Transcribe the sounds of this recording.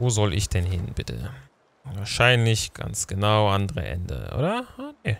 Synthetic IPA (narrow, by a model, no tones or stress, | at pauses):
voːzɔlʔɪçd̥ɛnɦɪnb̥ɪtʰə̰ | vaːɐʃaɪnlɪçɡ̥a̰nt͡sɡ̥ənaʊʔandəʁə̰ʔɛ̰ndə̰ʔo̰ːdɐane